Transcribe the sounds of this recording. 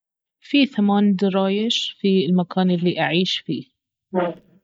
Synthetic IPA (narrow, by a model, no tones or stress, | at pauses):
fiːθamaːnd̪ɑɾˤɑːjɪʃfilmakaːnʔɪlːiʔaʕiːʃfiː